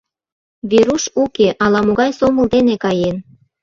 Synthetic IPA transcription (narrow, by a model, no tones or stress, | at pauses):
βeɾuʃukeʔɑlɑmoɣɑjsomə̆ld̪enekɑjen